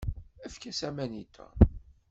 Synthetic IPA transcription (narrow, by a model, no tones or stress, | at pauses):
æfkæsæmænit̪ʰːæ̰